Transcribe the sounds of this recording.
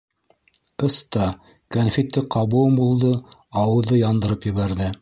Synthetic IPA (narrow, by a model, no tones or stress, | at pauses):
ɤst̪ɑ | kɐnfit̪ːɘqɑβumbulˠd̪ɤɑwɤ̆ðɤjɑnd̪ɤ̆ɾɤpjɘ̆βæɾðɘ